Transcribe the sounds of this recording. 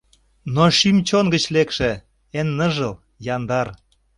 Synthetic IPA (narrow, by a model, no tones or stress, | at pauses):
noʃimt͡ɕonɡə̆t͡ɕlekʃĕ | enːəʒəl | jɑnd̪ɑr